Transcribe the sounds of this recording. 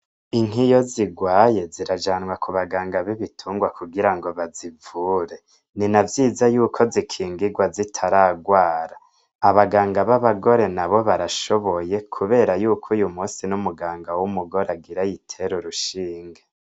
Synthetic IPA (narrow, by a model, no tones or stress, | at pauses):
iŋ̥ɦijoziɡwaːje̞ziɾad͡ʒaːnwakʰuβaɡaːŋɡaβiβitʰuːŋɡwakuɡiɾaŋɡo̞βazivuːɾe̞ | ninavjiːzajuːkʰo̞zikʰiːŋɡiɡwazitʰaɾaːɡwaːɾa | aβaɡaːŋɡaβaβaɡo̞ɾe̞naβo̞βaɾaʃo̞βo̞je̞kʰuβe̞ːɾajuːkʰujumuːsinumuɡaːŋɡawumuɡo̞ɾaɡiɾajitʰe̞ɾuɾuʃiːŋɡe